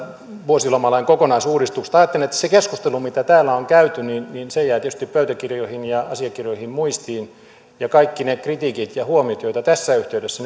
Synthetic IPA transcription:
ʋuosilomɑlɑiŋkokonɑisuːdist̪ukse̥t̪ɑːjɑt̪ːelinet̪ːæ̥sekeskust̪elumit̪æt̪æːlːæoŋkæyt̪yninninsejæːt̪ietyst̪ippøyt̪ækirjoihinjɑɑsiɑkirjoihimmuist̪iːn | jɑkɑikːinekrit̪ikit̪jɑhuomiot̪joit̪ɑt̪æsːæyht̪eydesːæn

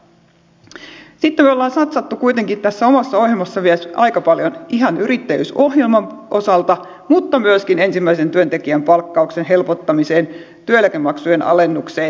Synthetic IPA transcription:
sit̪ːemyolːɑːnsɑt̪sɑt̪ːukuit̪e̞ŋkit̪æsːæo̞mɑsːɑo̞hɦjelmɑsːɑʋiæsʔɑjkɑpɑljoniɦɑnyɾit̪ːæjy̰so̞hjelmɑmʔo̞sɑlt̪ɑ | mut̪ːɑmyøskine̞nsimːæise̞nt̪yønt̪ekiæmpɑlkːɑuksenɦe̞lpot̪ːɑmise̞ːn | t̪yøjlːækemːɑksujenɑ̰le̞nːukseː

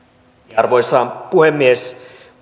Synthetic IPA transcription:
arʋojsampuhemːies

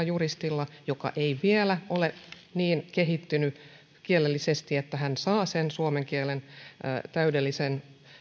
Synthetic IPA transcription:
ɑjurist̪ilːɑjokɑ̰ʔeiʋielæʔole | niːnkeɦit̪ːyny | kielelːisest̪iet̪ːæɦænsɑːsensuomeŋkielen̰ːt̪æydelːisen

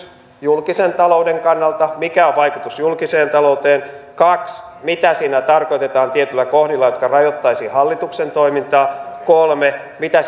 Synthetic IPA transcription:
julkisent̪ɑloudeŋkɑnːɑlt̪ɑmikæoʋʋɑikut̪usjulkiseːnt̪ɑlout̪eːn | kɑks | mit̪æsiːnæt̪ɑrko̞jt̪et̪ɑːnt̪iet̪ylːækohdilːɑjot̪kɑrɑjot̪ːɑisiːhɑlːit̪uksent̪oimint̪ɑːkolme | mit̪æ

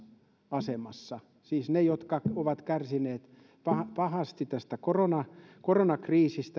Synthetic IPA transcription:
ɑsemɑsːɑ | siːsnejot̪kɑoʋɑt̪kærsineːt̪ | pɑhɑpɑhɑst̪it̪æst̪ækoronɑkoronɑkriːsist̪æ

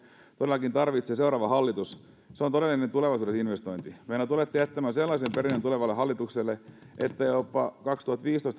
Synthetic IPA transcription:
t̪odelːˑɑkint̪ɑrʋit̪ses̬ewɾɑːʋɑhɑlːit̪us | seont̪oɾelːinent̪uleʋɑisuːɾesinʋest̪o̞jnt̪imenæt̪ulet̪ːiæt̪ːæmænselːɑsempeɾinent̪uleʋɑlːeɦɑlːit̪ukselːe | ʔḛt̪ːæjopːɑkɑkst̪uhɑt̪ʋiːst̪oist̪

